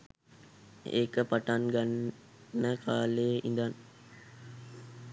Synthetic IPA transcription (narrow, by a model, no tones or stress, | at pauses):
ḛːkəpaʈanɡanː | əkʰaːleːʔind̪an